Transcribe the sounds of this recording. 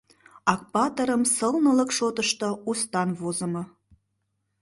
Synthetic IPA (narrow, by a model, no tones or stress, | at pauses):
ɑk̚pɑt̪əɾəmsəlnə̆ləkʃot̪əʃt̪oust̪ɑnvozəmɤ